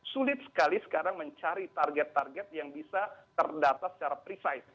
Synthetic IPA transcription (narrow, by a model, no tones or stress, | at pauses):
sulɪt̪̚sə̥kalisə̥kaɾaŋməɲt͡ʃaɾit̪arɡɛt̪ːarɡɛt̪̚jaŋbisat̪ərdat̪asə̥t͡ʃaɾapɾisaɪt̪̚